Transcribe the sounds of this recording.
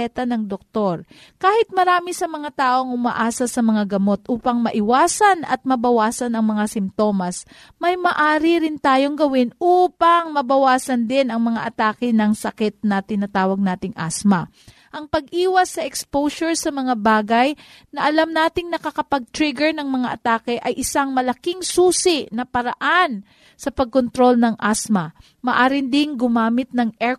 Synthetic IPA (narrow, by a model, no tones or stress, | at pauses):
ɛt̪ɐnɐŋd̪ok̚t̪o̞ɾ | kaːhɪt̪̚mɐɾaːmɪsɐmɐŋat̪aːʔo̞ŋʔʊmɐ̰ʔaːsɐsɐmɐŋaɡɐmo̞t̪ʔuːpɐŋmɐʔɪwaːsɐnɐ̰t̪̚mɐbɐwaːsɐnɐŋmɐŋasɪmt̪o̞mɐs | mɐjmɐʔaːɾɪɾɪnt̪aːjo̞ŋɡɐwɪnʔuːpɐŋmɐbɐwaːsɐnd̪ɪnɐŋmɐŋaʔɐt̪aːkɪnɐŋsɐkɛt̪̚nat̪ɪnɐt̪aːwɐɡ̚naːt̪ɪŋʔa̰smɐ | ʔɐŋpɐɡ̚ʔiːwɐsːɐʔɛkspowsoɹsɐmɐŋabaːɡɐj | nɐʔɐlamnaːt̪ɪŋnɐkɐkɐpɐɡ̚t̪ɾɪɡɛɹnɐŋmɐŋaʔɐt̪aːkɛʔɐjʔɪsaŋmɐlɐkɪŋsuːsɪnɐpɐɾɐʔan | sɐpɐɡ̚kont̪ɾo̞lnɐŋʔasmɐ | mɐʔaːɾɪnd̪ɪnɡʊmaːmɪt̪̚nɐŋʔɛ